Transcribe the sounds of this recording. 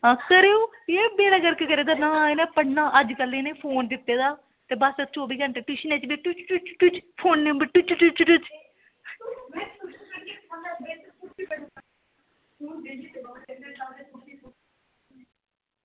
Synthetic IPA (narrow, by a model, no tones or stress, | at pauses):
ɦãːkəɾeoː | eːbeːɽaːɡəɾkekəɾeːd̪aːnãːenẽːpəɽnãːʔəd͡ʒkəlːeːneːpʰoːnd̪ɪt̪ːeːd̪aː | t̪eːbəsət͡ʃoːbiːɡəɳʈeːʈʊʃnẽːt͡ʃbeʈʊt͡ʃʈʊt͡ʃʈʊt͡ʃpʰoːnːẽbəʈʊt͡ʃt͡ʃut͡ʃʈʊt͡ʃ